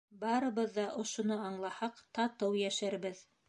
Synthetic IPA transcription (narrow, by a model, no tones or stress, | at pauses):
bɑɾɤ̆βɤ̆ðːɑʔŏʃŏnɤɑɴlˠɑhɑqt̪ɑt̪ɤwjæʃæɾbɘð